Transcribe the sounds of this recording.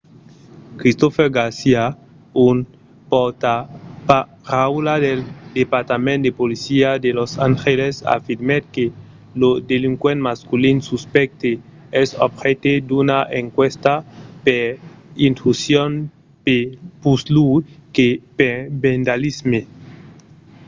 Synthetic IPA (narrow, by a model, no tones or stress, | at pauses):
kɾist̪ofeɾɡaɾsia | un | pot̪apa | ɾawlad̪eld̪epaɾt̪amẽnt̪d̪epolisiad̪elosa̰ŋxelesa̰fiɾmed̪̚ke | lod̪eliŋkwenmaskulinsuspɛk̚t̪e | ɛsɔbxet̪ed̪unaʔeŋkwest̪apeɾint̪ɾusjon | pepuslukepebend̪alizme